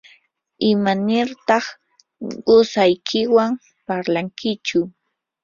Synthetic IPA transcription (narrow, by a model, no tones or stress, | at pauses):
ɪmanɪɾt̪ɑχ | ɢʊsajkʰɪwam | paɾlaŋkɪt͡ʃʊ